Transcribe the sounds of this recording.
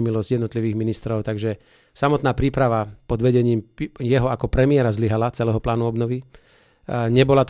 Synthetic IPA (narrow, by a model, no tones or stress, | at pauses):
milɔzɟ̥jɛd̪nɔt̪liʋiːɣminist̪ɾɔʊt̪aɡʒɛ | samɔt̪naːpɾiːpɾaʋapɔd̪ʋɛɟɛɲiːmjɛɦɔakɔpɾɛmɪɛɾazliɦalat͡sɛlɛːɦɔplaːnuɔbnɔʋi | ɲɛbɔlat̪